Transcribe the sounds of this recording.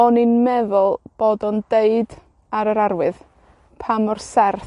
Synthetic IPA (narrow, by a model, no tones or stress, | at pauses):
ɔninmɛðʊlˠb̥oːdɔndeɨd | aɾəɾarwɨð | pʰamɔrsɛrθ